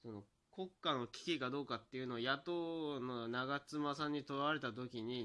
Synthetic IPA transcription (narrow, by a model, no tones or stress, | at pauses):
so̞no̞ | ko̞kːano̞kʲi̥kʲikad̪o̞ːkat̪ːe̞iɯ̟no̞ːjat̪oːnonaɡat͡sɨmasãɲ̟ːit̪o̞ɾaβaɾe̞t̪at̪̬o̞kʲiɲ̟i